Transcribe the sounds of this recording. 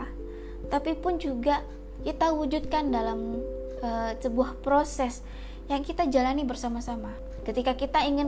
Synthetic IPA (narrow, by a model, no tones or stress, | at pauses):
t̪apipʊnd͡ʒuɡa | kit̪awud͡ʒut̪̚kandalam | əsəbuahpɾosɛs | jaŋkit̪ad͡ʒalanibərsamasama | kət̪ikakit̪aiŋɪn